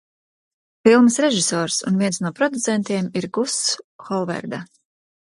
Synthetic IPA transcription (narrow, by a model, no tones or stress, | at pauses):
filˠmɨsɾɛʒisɔːɾsṵnviɛnsnuɔpɾɔd̪ut̪sɛnt̪iɛmiɾɡusxɔlˠvɛ̰ɾd̪a